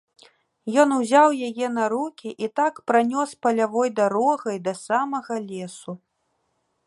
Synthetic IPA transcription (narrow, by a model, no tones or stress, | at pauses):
jɔnuzʲawjajɛn̪ɐɾukʲiʔit̪akpɾanʲɔspɐlʲavɔjd̪aɾɔɣɐjd̪ɐsamɐɣɐlʲɛsu